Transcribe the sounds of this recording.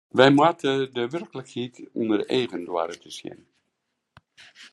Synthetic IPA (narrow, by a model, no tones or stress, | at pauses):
ʋɛjmwaːtʰədəʋɛrkələkhitɔndərejɣəndwa̰ːɾətʰəsjɪ̰n